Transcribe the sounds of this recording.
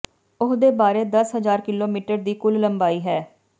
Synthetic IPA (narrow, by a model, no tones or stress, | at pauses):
ʊɦd̪eːbaːɾeːd̪əsɦəzaːɾkɪloːmiːʈəɾd̪iːkʊlləmbaːiːɦɛː